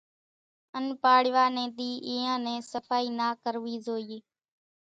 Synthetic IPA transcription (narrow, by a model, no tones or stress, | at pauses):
ənpaːɽʋaːnẽːd̪iːʔiːãːnẽːsəfaːiːnaːkəɾʋiːzoːiː